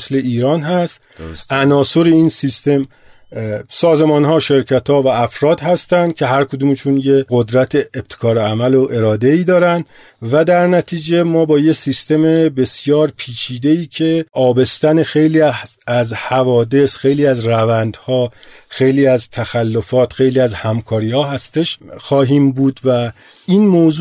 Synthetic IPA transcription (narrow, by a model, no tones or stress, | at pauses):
sle̞ʔiːɾɒːnɦæst̪ | ænɒːso̞ɾeinsist̪e̞m | sɒːzemɒːnɦɒːʃe̞ɾcʰæt̪ʰhɒːvæːfɾɒːd̪ɦæst̪ænd̪̥̚cʰe̞ɦæɾkʰod̪uːmt͡ʃʰunjeɡod̪ɾæt̪ʰeːb̚t̪ʰe̥kʰɒːɾeæmæloʔe̞ɾɒːd̪e̞iːd̪ɒːɾænd̪ | væd̪æɾnæt̪ʰiːd͡ʒe̞mɒːbɒːjesist̪e̞mebe̞sjɒːɾpʰiːt͡ʃʰiːd̪e̞iːcʰe̞ʔɒːbe̞st̪ænexe̞jliːæzhævɒːd̪e̞sxe̞jliːæzrævænd̪hɒːxe̞jliːæzt̪ʰæxælːo̞fɒːt̪xe̞jliːæzhæmkʰɒːɾiːhɒːɦæst̪e̞ʃxɒːɦiːmbuːd̪væ | iːnmoːz